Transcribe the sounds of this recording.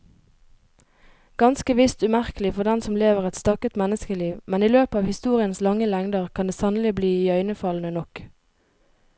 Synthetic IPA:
ɡ̥ɑnskəʋɪst̪ʉmæʁkəlɪfɔʁd̪ɛnsɔmleːʋəʁɛt̪st̪ɑkət̪mɛnəskəliːʋmɛniːløːpəɑːʋhɪst̪uːʁɪənslɑŋəlɛŋd̪əʁkʰɑnd̪eːsɑnəlɪbliːœʏnəfɑlnənɔk

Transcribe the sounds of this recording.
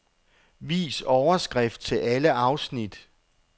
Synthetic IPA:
ʋḭːsɒʊɐsɡ̥ʁɛfd̥̚t͡sʰe̝lʔæləʔɑ̈ʊsnid̥

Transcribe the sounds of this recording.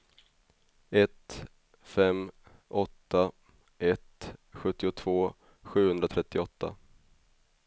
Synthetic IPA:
ɛt̪ | fɛm | ɔt̪ːa | ɛt̪ɧɵt̪ːɪʊt̪ʰv̥oː | ɧʉ̟ːhɵnd̪ɾat̪ʰɾɛt̪ːɪɔt̪ʰːa̰

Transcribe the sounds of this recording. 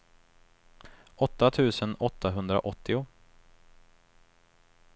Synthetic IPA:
ʔɔt̪ːat̪ʰʉ̟ːsənɔt̪ʰːaɦɵnd̪ɾa̰ʔɔt̪ːɪʊ

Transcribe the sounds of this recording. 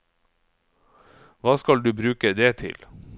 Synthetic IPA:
ʋɑːskɑld̪ʉːbɾʉːkəd̪eːt̪ʰɪ̰l

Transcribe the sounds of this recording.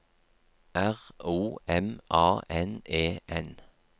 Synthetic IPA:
æʁuːɛmʔɑːʔɛneːʔɛn

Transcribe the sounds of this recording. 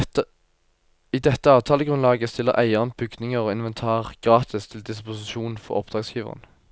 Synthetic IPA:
iːd̪ɛt̪ːəɑːʋt̪ʰɑːləɡʁʉnlɑːɡəst̪ɪlːə̰ʁʔæɪənbʏɡd̪nɪŋəʁoːɪnʋɛnt̪ʰɑːʁɡ̥ʁɑːt̪ʰɪst̪ʰɪld̪ɪspʊsɪʃuːn̩fɔ̰ʁɔ̰pd̪ʁɑːɡsjiːʋə̰ʁə̰n

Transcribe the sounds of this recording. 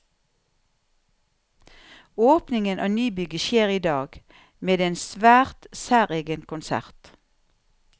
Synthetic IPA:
oːpnɪŋənʔɑ̰ːnyːbʏɡəʃeːʁiːd̪ɑːɡ | meːd̪eːnsʋæːʁt̪sæːʁeːɡənkʰʊnsæ̰ʁt̪

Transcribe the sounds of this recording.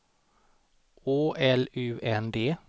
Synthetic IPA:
oːʔɛlʉːʔɛnd̪eː

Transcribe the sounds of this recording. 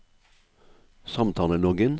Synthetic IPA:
sɑmt̪ʰɑːlənɔɡən

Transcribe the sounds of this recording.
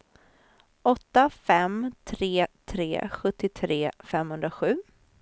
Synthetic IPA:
ʔɔt̪ːafɛmt̪ʰɾeːt̪ʰɾḛːɧɵt̪ːɪt̪ʰɾeːfɛmhɵnd̪ɾaɧʉ̟ː

